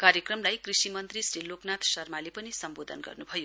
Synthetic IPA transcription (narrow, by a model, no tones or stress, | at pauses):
karjekrʌmlajkrisimʌnt̪risriloknat̪sʌrmalepʌnisʌmbod̪ʱʌ̰nɡʌ̰rnubʱʌjo